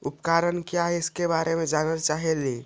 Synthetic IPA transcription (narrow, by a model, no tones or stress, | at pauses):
upkaɾənkjaɪskebaɾemẽd͡ʒanət͡ʃaɦɛli